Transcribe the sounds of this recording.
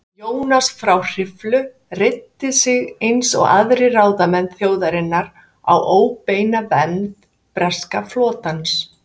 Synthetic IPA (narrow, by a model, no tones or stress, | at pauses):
joːwnasfɾawr̥ɪflʏ | rɪt̪ːɪsɪɣejnsɔ̰ɣa̰ðɾɪraːwðamɛnθjoːwðaɾɪnːaɾ | a̰wʔoːwpeːjnavɛnt | pɾɛskaflɔːt̪ans